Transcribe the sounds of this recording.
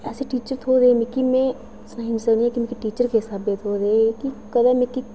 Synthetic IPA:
ɛːseʈiːt͡ʃəɾt̪ʰoːd̪emɪ̃kimɛ̃ | snaːɦɪ̃nd͡ʒsɐɾnĩɛ̃kimĩkiʈiːt͡ʃəɾkeɦɪsaːbeːt̪ʰoːd̪eːkikəd̪amẽki

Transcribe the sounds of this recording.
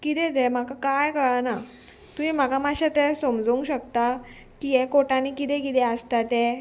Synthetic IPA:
kit̪ɛt̪ɛm̤akakajkəɭana | t̪umim̤akamaɕat̪ɛ̃somd͡zəũŋɡɕəkt̪a | kijɛkoʈanikit̪ɛ̃kit̪ɛəst̪at̪ɛ

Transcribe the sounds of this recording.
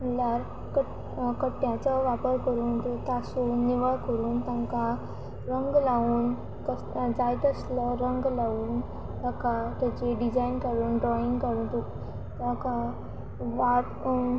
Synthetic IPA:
məlaɾ | kə | kəʈːjãt͡səʋapəɾkəɾuːnt̪ut̪asuːnːiʋəɭkəɾuːnt̪ãŋka | ɾəŋɡlaʋuːn | k̪ə | d͡zajt̪əsləɾəŋɡlaʋuːn | t̪ãkat̪at͡ɕeɖid͡zajnkaɽuːnɖɾɔiŋɡkaɽuːnt̪u | t̪ãka | ʋaʈ

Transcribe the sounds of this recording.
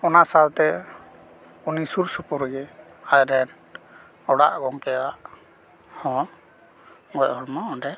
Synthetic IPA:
ɔnasalt̪ɛ | unisuɾsupuɾɡɛ | ajɾɛn | ɔɽa̰ʔɡɔŋkɛwaʔ | hɔ̃ | ɡɔʔhɔɽmaɔnɖɛ

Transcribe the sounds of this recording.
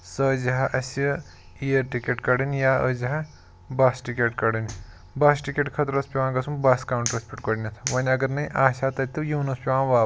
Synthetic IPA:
sɐːd͡ʒɐɦɐʔɐsi | ijɐɾʈikʲeʈkɐɽɨnʲjaːəd͡ʒɐɦɐ | baːsʈikeʈkɐɽɨnʲi | baːsʈikʲeʈkʰɐt̪ɾɐspʲiʋãːɡɐsumbaːskaːwɳʈɾɐspʲiʈkɐɽnʲɐt̪ʰʋɐnʲɐɡɐɾnɐĩʔaːʃaːt̪ɐt̪ːɨjuːnɐspʲiʋaːʋaː

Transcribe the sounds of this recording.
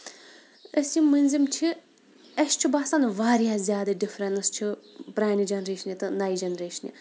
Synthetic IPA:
ɐsimɨnʲzimt͡ʃʰi | ɐʃt͡ʃʰibaːsanʋaːɾijaːzʲjaːd̪ɐɖifɾɐnɨst͡ʃʰipɾaːnid͡ʒɐnɾeːʃɐnit̪ɨnajd͡ʒɐnɾeːʃɐnjḭ

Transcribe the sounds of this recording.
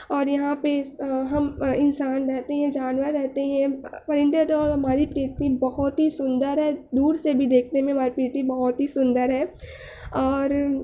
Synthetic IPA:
ɔːɾjɐɦãpeɦɐmɪ̃nsaːnɾɛɦt̪eɦɛ̃d͡ʒaːnʋəɾːɛɦt̪eɦɛ̃pɐɾɪ̃nd̪et̪ɔːɾɦɐmaːɾipɾit̪ibɐɦɔt̪ɦisʊ̃nd̪əɾɦɛːd̪uːɾsebʱid̪eːk̚ʰnemẽɦɐmaːɾipɾiːt̪ibɐɦʊt̪ɦisʊ̃nd̪əɾɦɛː | ɔːɾ

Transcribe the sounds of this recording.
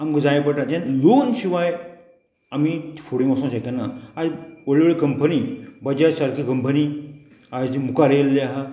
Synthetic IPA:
amkd͡zajpəʈat̪ẽnjonɕiʋaj | ami̥fʰoɽimosõɕakanːaad͡zəɭʋɭikəmpənibəd͡ʑasaɾkʰikəmpəni | aimukaɾelːiaɦe

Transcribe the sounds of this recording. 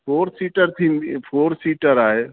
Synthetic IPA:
pʰoːɾsiʈəɾt̪ʰipʰoːɾsiʈəɾaɦe

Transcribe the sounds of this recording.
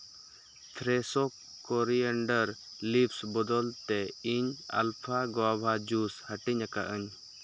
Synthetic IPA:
t̪ʰɾɛsɔkː | ɔɾiəɳɖəɾlipsbɔd̪ɔlt̪ɛiɲa̰lpʰaɡɔwabʱad͡ʒushəʈiɲaka̰ʔəɲ

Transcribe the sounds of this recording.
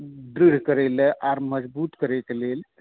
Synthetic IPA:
ɖɾiɽ̤kəɾɛleʔaɾməd͡ʒbut̪kəɾekelel

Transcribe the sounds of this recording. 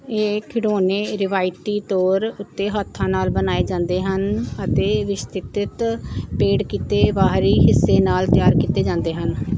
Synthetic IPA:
eːkʰɪɽoːneːɾɪʋaːɪt̪iːt̪ɔːɾʊt̪ːeːɦaːt̪ʰːãːnaːlbənaːeːd͡ʒãːnd̪eːɦənət̪eːʋɪst̪ɪt̪ɪt̪peːɽkiːt̪eːʋaːɦɾiːɦɪsːeːnaːlt̪jaːɾkiːt̪eːd͡ʒãːnd̪eːɦən

